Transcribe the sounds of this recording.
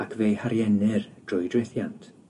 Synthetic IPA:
akʰvejhaɾjɛnɪrd̥rʊjdreθjantʰ

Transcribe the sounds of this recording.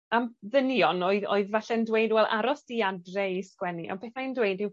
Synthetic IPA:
amðənjɔnoɨðo̰ɨðvaɬɛndwejdwɛlˠa̰ɾɔsd̥iadrɛiskwɛniʔɔ̰beːθmajndwejdɪw

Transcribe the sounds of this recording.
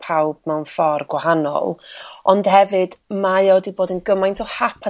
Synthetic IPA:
pʰawb̥̚mɛwnfɔrɡwahanɔ̰lˠɔnd̥hɛvɨd̥majɔdiboːdənɡəmajntʰɔhapʰa

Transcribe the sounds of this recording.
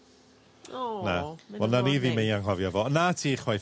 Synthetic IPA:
nawɛlˠnaniðiːmejaŋɦɔvjɔvɔnatʰiːχwaj

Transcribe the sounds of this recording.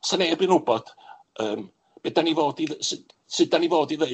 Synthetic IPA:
sanɛbɨnʊbɔd̥ | əːm | b̥ɛdanivoːdiðsɨd | sɨd̚anivoːdiðə

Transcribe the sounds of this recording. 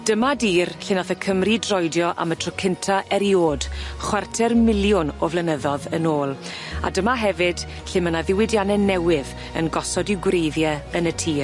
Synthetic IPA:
d̥əmadiːrɬɪnaθəkʰəmridrɔjdjɔʔa̰mətʰrɔkʰɪntʰaʔɛɾjoːd̥χwartʰɛrmɪlˠjʊnɔvlɛnəðɔðənoːlˠ | a̰dəmaɦɛvɨd̥ | ɬɪmənaðɪwɪdjanɛnɛwɪð | ənɡɔsɔdiwɡwrejðjɛənətʰiːr

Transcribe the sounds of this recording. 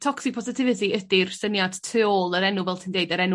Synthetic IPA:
tʰɔksɪpʰɔsɪtʰɪvɪtiədirsənjad̥tʰɨɔlˠəɾɛnuvɛlˠtʰindeɨdəɾɛnu

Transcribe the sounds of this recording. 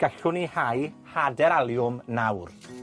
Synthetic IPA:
ɡ̥ɛɬʊnihajhadɛɾalˠjʊmnawr

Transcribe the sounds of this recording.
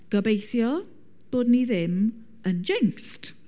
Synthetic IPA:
ɡ̥əbejθjɔ | b̥oːdniðɪm | ənd͡ʒɛŋkst

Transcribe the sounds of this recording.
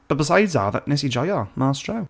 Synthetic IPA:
b̥ʌt̚b̥ɪsaɪdza̰ːðə̰ʔnɪsid͡ʒɔjəmaːstʰɹaʊ

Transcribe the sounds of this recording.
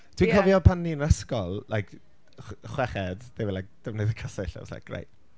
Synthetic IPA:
tʰwikʰɔvjɔpʰanːiənaskɔlˠlajk | χwɛχɛd̥d̥evɪlajk̚d̥əmneðəkʰasɛɬa̰sla̰jk̚ɡrḛjt

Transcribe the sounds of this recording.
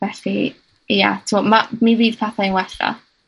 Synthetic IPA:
vɛɬi | ja̰tʰmɔmamiviːd̚pʰaθainwɛθrɔ̰

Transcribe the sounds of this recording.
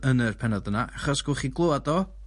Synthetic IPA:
ənərpʰɛnɔdənaʔaχɔsɡ̥ʊχiɡlˠoadɔ

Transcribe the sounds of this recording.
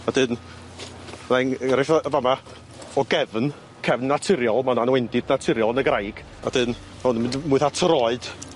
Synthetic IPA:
ad̥ɨn | najnɾɪfavama | ɔɡɛvn | kʰɛvnːatʰɪɾjɔlˠmananwɛndɪdnatʰɪɾjɔlˠnəɡrajɡ̥ | a̰d̥ɨn | maʊnmɪnmʊɨθatʰrɔɨd̥

